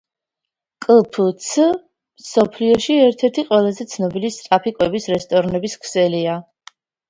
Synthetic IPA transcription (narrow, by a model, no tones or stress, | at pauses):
kʼlˠpʰut̪sʰ | msɔpʰliɔʃiɛɾt̪ʰɛɾt̪ʰiqʼwɛlˠazɛt̪sʰnɔbilist̪ʼɾapʰikʼwɛbisɾɛst̪ʼɔɾnɛbiskʰsɛlia